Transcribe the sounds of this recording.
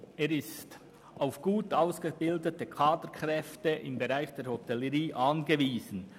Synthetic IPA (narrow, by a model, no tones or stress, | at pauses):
eːɾɪst | ʔaʊfɡ̥uːtaʊsɡ̥əbɪldətəkʰaːdəɾkʁ̥ɛftəʔɪmbeʁaɪxd̥eːɾhotɛləʁiːʔɑnɡəviːzən̩